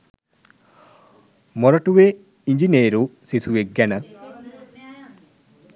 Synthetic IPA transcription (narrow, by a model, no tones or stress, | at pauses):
mɔɾɐʈuʋe | iɲd͡ʒineɾusisuʋeɡːɛnə